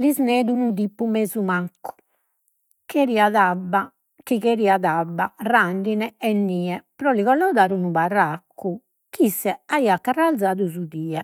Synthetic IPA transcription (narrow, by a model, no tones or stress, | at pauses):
lizneːd̪unuðipːumeːzumaŋkʰːu̥ | keɾiːaðabːa | kiɣeɾiːaðabːaraɳɖinɛɛnːiːɛpɾɔliɣɔlɔd̪aːɾunuβarakːu | kisːɛaiakːarald̪zaːðuzuðiːɛ